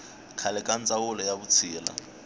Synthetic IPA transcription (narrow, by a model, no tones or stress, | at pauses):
kʰalɛkʼant͡sʼawʊlɔjaβut͡sʰiːla̰